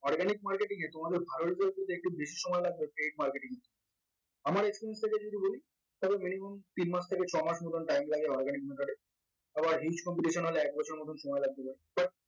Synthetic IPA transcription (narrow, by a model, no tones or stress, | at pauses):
ɔɾɡanik̚maɾkeʈiŋet̪omad̪eɾbʱaɾoɾid͡ʑaɾkot̪oek̚ʈubeʃi̥ʃɔmɔelaɡ̚bepeʈ̚maɾkeʈiŋe | amaɾekspiɾijenst̪ʰek̬ed͡ʑod̪iboli | t̪ɔbeminimomt̪inmaʃt̪ʰeket͡ɕʰɔmaʃmot̪ʰonʈajmlaɡeɔɾɡanik̚met̪ʰoɖeɾ | abaɾɦit͡ɕkɔmpiʈiʃonɦoleɛk̚bɔt͡ɕʰoɾmot̪ʰonʃɔmɔelaɡ̚t̪epaɾib̥aʈ̚